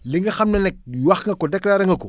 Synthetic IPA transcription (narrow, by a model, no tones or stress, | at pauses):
liŋɡɐxamnɐnɛk̚waxŋɡɐkodɛklaɾɐŋɡɐko